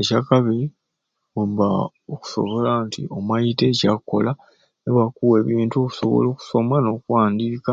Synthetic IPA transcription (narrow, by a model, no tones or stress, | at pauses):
ecakaβi | uβa | oku̥so̞̰βo̞lantḭo̞majitecako̞̰la | neβwakuweːβiːntuoku̥so̰βo̞̰loːku̥so̞mwano̞ːkuwaːndiːka